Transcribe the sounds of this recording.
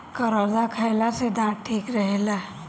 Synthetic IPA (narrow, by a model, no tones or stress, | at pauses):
kəɾoːzakʰaɪlased̪ãːʈʰːiːkɾəɦela